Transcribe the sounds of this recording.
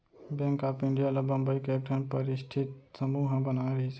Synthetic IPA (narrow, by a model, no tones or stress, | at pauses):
bɛ̃ːŋkaːpɪ̃ɳɖijalabə̃mbəikeek̚ʈʰənpəɾɪsʈʰɪt̪̚səmuɦə̃bənaɾəɦisʰ